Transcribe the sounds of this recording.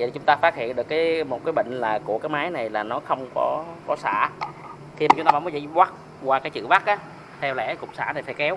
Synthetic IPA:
i˨t͡ɕʊ˨˦ŋ͡mt̪aː˧faː˦˥t̚hḭ˧˨ənɗɨ˨˩əkːaː˨˦jmo˨˩t̚kaː˨˦jɓə̰˧˨ŋ̟laː˨˩ku˧˩əkaː˨˦jmaː˨˦jna˨˩jlaː˨˩nɔ˨˦xə˧wŋ͡mkɔ˨˦kɔ˨˦sa̰ː˧˨ | xʰi˧m˨˩t͡ɕŋ͡mt̪aː˧ɓːmː˨˦jzḭ˧˥jkwa˦˥k̚ | kwaː˧kaː˨˦jt͡ɕɨ̰˧˨va˦˥k̚ʔaː˨˦ | t̪ʰɛ˧wlɛ̰˧˥kʊ˨˩k͡p̚sa̰ː˧˩na˨˩faː˧˦jkɛ˨˦w

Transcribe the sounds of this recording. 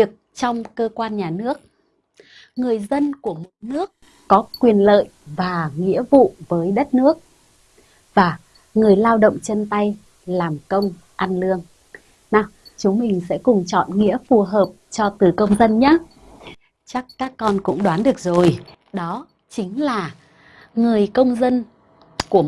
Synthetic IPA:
vi˨˩ək̚t͡ɕɔ˧wŋ͡mkəː˧kwaː˧nɲaː˨˩nɨ˦˥ək̚ | ŋɨ˨˩əjzə˧nku˧˩əmo˨˩t̚nɨ˦˥əkː | ɔ˨˦kwi˨˩ənlə̰ː˧˨jvaː˨˩ŋḭ˧˥əvṵ˧˨vəː˨˦jɗə˦˥t̚nɨ˦˥ək̚ | vaː˨˩ | ŋɨ˨˩əjlaː˧wɗə̰˧˨wŋ͡mt͡ɕə˧nt̪a˧j | laː˨˩mkə˧wŋ͡m | ʔa˧nlɨ˧əŋ | na˧˩t͡ɕʊ˨˦ŋ͡mmï˨˩ŋ̟sɛ̰˧˥kʊ˨˩ŋ͡mt͡ɕɔ̰˧˨nŋḭ˧˥əfu˨˩ɦəː˨˩p̚t͡ɕɔ˧t̪ɨ˨˩kə˧wŋ͡mzə˧nɲaː˨˦ | t͡ɕa˦˥kːaː˦˥kːɔ˧nkʊ̰˧˥ŋ͡mɗwaː˨˦nɗɨ˨˩ək̚zo˨˩j | ɗɔ˨˦ | t͡ɕï˨˦ŋ̟laː˨˩ | ŋɨ˨˩əjkə˧wŋ͡mzə˧n | ku˧˩ə

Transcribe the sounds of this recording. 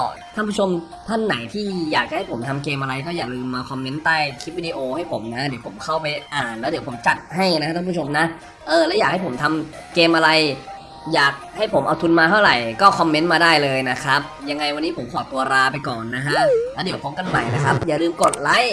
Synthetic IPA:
ɔː˧˩k̪ʰa˥˩mpʰu˦˥t͡ɕʰo˧m | t̪ʰa˥˩nːa˩˦jt̪ʰiː˥˩jaː˨˩k̚t͡ɕa˧˩ha˥˩pʰo˩˦mt̪ʰa˧mkeː˧mʔa˧ɾa˧jkɔː˥˩jaː˨˩lɯː˧mːaː˧kʰɔ˧mːe˦˥nt̪aː˥˩jkʰi˦˥p̚wi˧diː˧ʔoː˧ha˥˩jpʰo˨˩˦mna˦˥di˨˩˦pʰo˩˦mkʰa˥˩wpa˧jʔaː˨˩nlɛː˦˥di˩˦po˩˦mt͡ɕa˨˩t̪̚ɦa˥˩jna˦˥a˦˥kʰpʰu˥t͡ɕʰo˧mna˦˥ʔ | ʔɤː˧˩lɛː˦˥jaː˨˩k̚ha˥˩pʰo˩˦mt̪ʰa˧m | keː˧mʔa˧ɾa˧j | jaː˨˩k̚ha˥˩jpʰo˩˦mʔa̰˧wt̪ʰu˧nmaː˧t̪ʰa˥˩wɾa˨˩jkɔː˥˩kʰɔ˧mːe˦˥nmaː˧daː˥˩jlɤː˧jna˦˥kʰa˦˥p̚ja˧ŋːa˧jwa˧nːiː˦˥pʰo˩˦mkʰɔː˨˩t̪ːu˧ɐɾaː˧pa˧jkɔː˨˩nːa˦˥kʰa˦˥lɛː˦˥di˨˩˦wkʰo˧˥ŋka˧˨nma̰˨˩jna˦˥kʰa˦˥p̚jaː˨˩lɯː˧˩mko˨˩t̪̚la˦˥j

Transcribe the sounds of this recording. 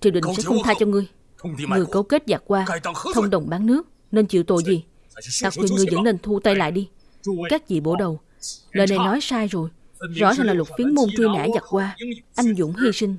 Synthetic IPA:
t͡ɕi˨˧˩əwɗï˧˨ŋ̟sɛ̰˧˥xə˧wŋ͡mt̪ʰaː˧t͡ɕɔ˧ŋɨ˧əj | ŋɨ˨˩əjkə˨˧˦wke˦˥t̚za˨˩k̚kwaː˧t̪ʰə˧wŋ͡mɗə˨˩wŋ͡mɓaː˨˦nnɨ˦˥ək̚ | ne˧nt͡ɕḭ˧˨wt̪o̰˧˨jzi˨˩ | t̪a˨˩k̚kwi˧˩ənŋɨ˨˩əjzə̰˧˥nne˧nt̪ʰu˧t̪a˧jla̰ː˧˨jɗi˧ | kaː˦˥k̚zḭ˧˨ɓo˧˩ɗə˨˩w | ləː˨˩jna˨˩jnɔ˨˦jsaː˧jzo˨˩jzɔ̰˧˥zaː˨˩ŋlaː˨˩lwə˨˩t̚fi˨˦ənmo˧nt̪ʰi˧na̰˧˥za˨˩k̚kwaː˧ʔa˧jŋ̟zʊ̰˧˥ŋ͡mɦi˧sï˧ŋ̟

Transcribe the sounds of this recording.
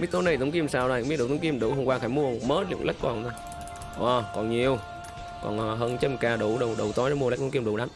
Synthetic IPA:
ɓi˦˥t̚t̪o˨˦nə˧˩t̪ə˨˦wŋ͡mki˧əmsaː˧wlaː˧˩˨mi˦˥ɗt̪ʰːŋ͡mki˧mɗṵ˧˩˦hə˧ŋ͡mkwaː˧xaː˧˩jmu˧ə˨məː˨˦˥lɨ̰˧˩ŋla̰˦˥jk̚kɔ˨˩na˧˩ | ʔɔ˨˩kɔ˨˩nɲi˨˩əw | kɔ̰˨˩nʔːɦəː˧nt͡ɕə˧mkaː˨˩ɗu˧˩ɗə˨˩wɗə˨˩wt̪ɔ˨˦jzɔ˨˧˦m̚˧˦˥t̪ʰkmɗṵ˧˦wɗaː˨˦

